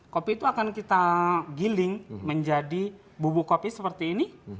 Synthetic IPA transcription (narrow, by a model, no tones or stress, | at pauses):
kopiːt̪uakankit̪aɡilɪŋməɲd͡ʒadi | bubukopisəpərt̪iːni